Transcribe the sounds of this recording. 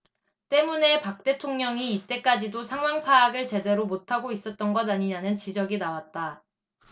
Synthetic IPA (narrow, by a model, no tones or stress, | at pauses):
t͈e̞mune̞pak̚t͈e̞tʰoŋɲʌŋiːt͈e̞k͈ad͡ʑidosʰaŋwaŋpʰaːɡɯɭt͡ɕe̞de̞ɾomotʰaɡois͈ʌt̚t͈ʌnɡʌnaɲiɲanɯnt͡ɕid͡ʑʌɡinawat̚t͈a